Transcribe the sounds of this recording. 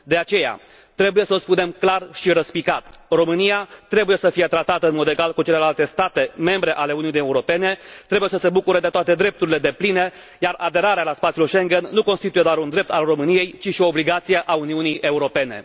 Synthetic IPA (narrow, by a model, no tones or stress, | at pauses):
d̪e̞at͡ʃe̞ja̰ | t̪ɾe̞buje̞səolspune̞mklarʃiɾəspikat̪ro̞mɨnijat̪ɾe̞buje̞səfije̞t̪ɾat̪at̪əɨnmo̞d̪e̞ɡalkut͡ʃe̞le̞lalt̪e̞st̪at̪e̞me̞mbɾe̞ʔale̞uniunieuɾo̞pe̞ne̞t̪ɾe̞bujesəse̞bukuɾəd̪e̞t̪oat̪e̞d̪ɾe̞p̚t̪uɾile̞d̪e̞pline̞ | jarad̪e̞ɾaɾealaspat̪sijulʃeŋɡenːuko̞nst̪it̪ujed̪oaɾund̪ɾe̞p̚t̪alro̞mɨnije̞jt͡ʃiʃio̞ːbliɡat̪sijeʔauniunijʔe̞uɾo̞pe̞ne̞̰